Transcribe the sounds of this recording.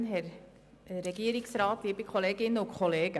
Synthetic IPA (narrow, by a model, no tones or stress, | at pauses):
nɦɛɾ | ɾɛɡiəɾɪksɾɑːt̪liːbikʰχoleːɡɪnːəʊkχɔleːɡ̥ə